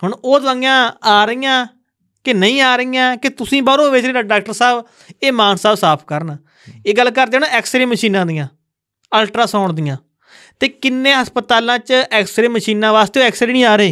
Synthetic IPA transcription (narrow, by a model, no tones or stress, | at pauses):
ɦʊɳoːt̪əjãːaːɾəijãː | kɪnəĩːaːɾəiːjãːkɪt̪ʊsĩːbəɾõːʋeːt͡ʃɾːaɖaːk̚ʈəɾsaːb | eːmãːnsaːbsaːpʰkəɾnaː | eːɡəlːkəɾd̪eːoːnɛːksɾeːməʃiːnãːd̪ijãː | əlʈɾaːsɔːɳd̪ɪjãː | t̪eːkɪnːẽːɦəspət̪aːlãːt͡ʃɛːksɾeːməʃiːnãːʋaːst̪eːɛːksɾeːnĩːaːɾəeː